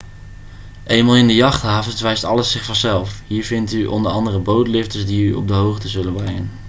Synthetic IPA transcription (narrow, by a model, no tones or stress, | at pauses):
ʔejmalˠɪndəjɑχtɦaːvənsʋɛjstɑlˠəsɪχfɑnzɛlˠfɦiːɹvɪntyʔɔ̰ndəɹɑndərəbowtlɪftəsdiyɔ̰b̚dəɦowχtəzɵlənbrɛŋən